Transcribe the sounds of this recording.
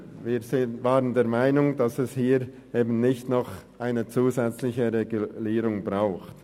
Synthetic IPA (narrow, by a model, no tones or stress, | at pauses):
viːɾsɪvaːʁəndeːmaɪnʊŋd̥asɛshiːɾ | eːbn̩nɪçtnɔχʔaɪnət͡suːzɛt͡slɪçəʁeɡuliːɾʊŋbʁaʊxt